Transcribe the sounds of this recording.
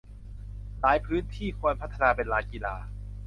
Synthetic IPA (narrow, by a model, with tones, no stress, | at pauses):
laː˨˩˦jpʰɯː˦˥nt̪ʰiː˥˩kʰu˧ənpʰa˦˥t̪ʰːa˧naː˧pe˧nlaː˧˥ki˧laː˧